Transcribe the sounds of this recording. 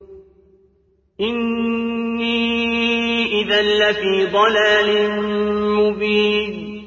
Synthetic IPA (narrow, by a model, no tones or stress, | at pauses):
ʔɪnː | i | ʔɪðanːafiːd̪ˤɑlaːlɪnmʊbiːn